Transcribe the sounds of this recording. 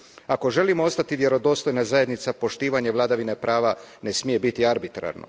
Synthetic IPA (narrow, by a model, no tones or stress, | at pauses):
ako̞ʒe̞limoost̪at̪iʋje̞ɾo̞d̪o̞ːst̪o̞jnazaje̞d̪nit̪sapo̞ʃt̪iːʋaɲeʋlˠaːd̪aʋinepɾaːʋane̞smije̞bit̪iaɾbit̪ɾa̰ɾno̞̰